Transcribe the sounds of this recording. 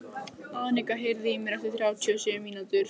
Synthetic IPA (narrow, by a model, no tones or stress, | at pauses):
aːðnɛkaɦeɾðimɛɾaft̪ɪθɾjaːwt̪ʰiɔsʏʏmiːnat̪ʏɾ̥